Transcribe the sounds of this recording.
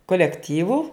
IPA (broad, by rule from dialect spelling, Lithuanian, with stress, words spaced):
koːlʲɛkˈtʲiːʋʊ